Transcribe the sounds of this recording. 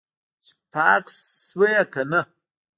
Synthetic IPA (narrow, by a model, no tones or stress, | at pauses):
sʼpʰaːkʼswejakʰɐnɨ